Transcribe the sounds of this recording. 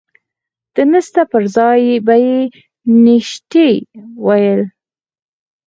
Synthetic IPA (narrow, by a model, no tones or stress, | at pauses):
d̪̥ənəst̪apəɾzɑjbaje | nɪʃt̪ewajəl